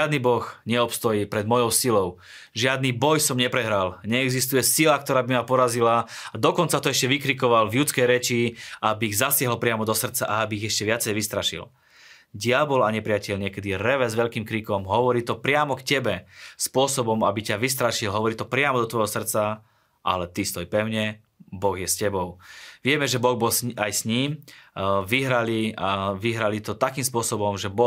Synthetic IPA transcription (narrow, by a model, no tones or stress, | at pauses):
ad̪nibɔxɲɛɔpst̪ɔjiːpɾɛd̪mɔjɔʊsilɔʊ | ʒɪad̪nibɔjsɔmɲɛpɾɛɦɾalɲɛɛɡzist̪ujɛsilak̚t̪ɔɾaːbimapɔɾazilaad̪ɔkɔnt͡sat̪ɔɛʃcɛʋikɾikɔʋalvjut͡skɛjɾɛt͡ʃiabiːɣzasɪaɦlpɾɪamɔd̪ɔsr̩t̪t͡saʔaabiːɣɛʃcɛʋɪat͡sɛjʋist̪ɾaʃḭl | ɟɪabɔlaɲɛpɾɪacɛʎɲɪɛkɛd̪iɾɛʋɛzʋɛʎkiːmkɾikɔmɦɔʋɔɾiːt̪ɔpɾɪamɔkcɛbɛspʊɔsɔbɔmabicaʋist̪ɾaʃilɦɔʋɔɾiːt̪ɔpɾɪamɔd̪ɔt̪ʋɔjɦɔsr̩t͡sa | ʔa̰lɛt̪ist̪ɔjpɛʊɲɛ | bɔɣjɛscɛbɔʊʋɪɛmɛʒɛbɔɣbɔsajsɲiːm | ʋiɦɾaliaʋiɦɾalit̪ɔt̪akiːmspʊɔsɔbɔmʒɛbɔ